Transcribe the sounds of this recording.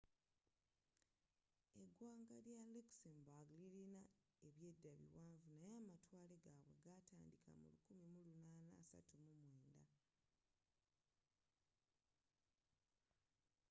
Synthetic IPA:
e̞ɡwaːŋɡaljaleksembaɡliɾina | e̞βje̞dːaβḭwaːɱvunajaːmatwaːle̞ɡaːβwe̞̰ɡata̰ːndikʰa̰mṵlukumimulunaːnaːsa̰tumumwe̞ːnda

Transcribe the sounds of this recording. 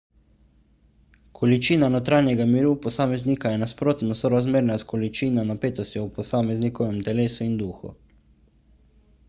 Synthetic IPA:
kʰɔlit͡ʃiːnanɔt̪ɾaːnjɛɡamiɾuːpɔsaːmɛzniːkajɛnaspɾoːt̪nɔsɔɾazmeːɾnaskɔlit͡ʃiːnɔnapeːt̪ɔst̪jɔwpɔsaːmɛznikɔʋɛmt̪ɛleːsuind̪uːxṵ

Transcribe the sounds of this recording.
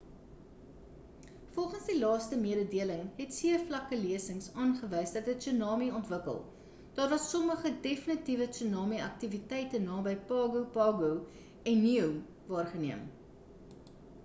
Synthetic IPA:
fɔlˠχənsdilɑːstəmiəɾədiələŋɦɛtsiəflɐkəliəsəŋsɑːnχəvəjsdɐtət͡synɑːmiɔntvəkə̰lˠ | d̥ɑːrvɐsːɔməχədefənitivət͡sunɑːmiɐk̚tivitɛjtənɑːbəjpɑːɡupɑːɡuw | ɛnːiəw | vɑːrχəniəm

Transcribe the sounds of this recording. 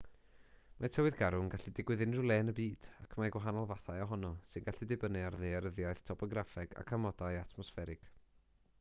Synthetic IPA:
matʰəwɨðɡaɾʊŋɡaɬidɪɡwɨðɪnrʊlˠɛːnəbiːd̥akʰmaɡwaɦanɔlˠvaθajɔɦɔnɔsɨnɡaɬidɪbənɪarðeaɾəðjajθtʰɔpʰɔɡɾafɛɡa̰kʰamɔdajatʰmɔsfɛɾɪɡ̥

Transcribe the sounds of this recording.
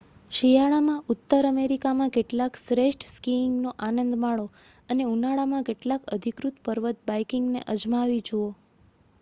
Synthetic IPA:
ʃijaɭamãut̪ːəɾəmeɾikamãkeʈlaksɾeʃʈskiŋɡnoʔanənd̪maɭo | əneunaɭamãkeʈlakəd̪ʱikɾut̪pəɾʋət̪̚bajkɪŋɡnḛʔəd͡ʒmaʋid͡ʒuo

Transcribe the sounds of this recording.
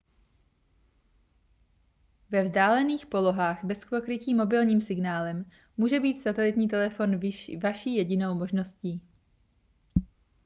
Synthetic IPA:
vɛvzdaːlɛniːxpo̞lo̞ɦaːxbɛskvokɾɪciːmo̞bɪlɲiːmsɪɡnaːlɛm | muːʒɛbiːt̪sat̪ɛlɪt̪ɲiːt̪ɛlɛfo̞nvaʃiːjɛɟɪno̞wmo̞ʒno̞sciː

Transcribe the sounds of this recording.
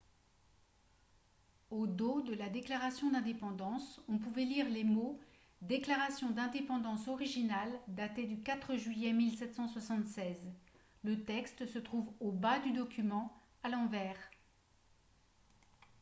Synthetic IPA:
od̪od̪əlad̪eklaʁasjɔ̃d̪ɛ̃d̪epɑ̃d̪ɑ̃sɔ̃puvɛliʁlemo | d̪eklaʁasjɔ̃d̪ɛ̃d̪epɑ̃d̪ɑ̃sɔʁiʒinald̪at̪ed̪ykat̪χəʒɥijɛmilsɛt̪sɑ̃swasɑ̃t̪sɛz | lət̪ɛkst̪sət̪χuvobad̪yd̪ɔkʲymɑ̃ | alɑ̃vɛːʁ

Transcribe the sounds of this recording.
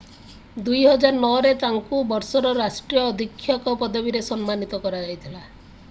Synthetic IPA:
d̪ujɦɔd͡ʒaɾɔnɔɔɾet̪aŋkubɔɾsɔɾɔɾasʈɾijɔːd̪ʱikʰːjɔkɔpɔd̪ɔbiɾesɔnmanit̪ɔkɔɾad͡ʒajt̪ʰila

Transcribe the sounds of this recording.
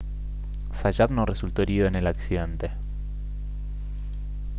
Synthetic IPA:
saʒaðnoresult̪o̞eɾiðo̞ene̞laksiðe̞nt̪e

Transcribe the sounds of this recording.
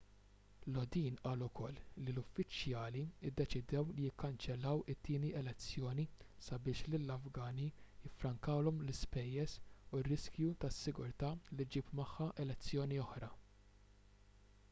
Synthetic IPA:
lɔd̪iːnʔɐːlʊkɔlːilʊfːɪt͡ʃjɐːliɪd̪ːɛt͡ʃɪd̪ɛwlɪjɪkːɐnt͡ʃɛlːɐwɪt̪ːɪːniɛlɛt͡sːjɔːnisɐbɪːʃlɪlːɐfɡɐːnijɪfːɾɐŋkɐwlɔmlɪspɛjːɛsurːɪskjut̪ɐsːɪɡʊɾt̪ɐːlid͡ʒiːpmɐħːɐʔɛlɛt͡sːjɔːniɔħɾɐ

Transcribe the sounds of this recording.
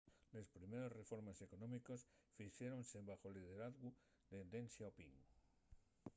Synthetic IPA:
le̞spɾimeɾo̞sre̞fo̞ɾmese̞konõ̞miko̞s | fiʃjeɾo̞nseβaxo̞lið̞e̞ɾaðɣu | d̪ed̪ensjaopiŋ

